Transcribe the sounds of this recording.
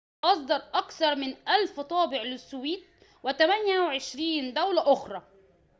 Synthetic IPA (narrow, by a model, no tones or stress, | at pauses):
ʔɑs̬ˤd̪ɑɾˤʔɑkθɑɾˤmɪnʔælft̪ˤɑːbɪʕlɪsːʊwiːt̪̚ | wɪt̪æmænjæwɪʕeʃɾiːnd̪æwlæʔʊxɾˤɑː